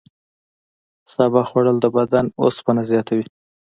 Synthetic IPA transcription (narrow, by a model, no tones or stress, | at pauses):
sɑbɑxwaɽəld̪əbad̪ano̰spanazjɑt̪awi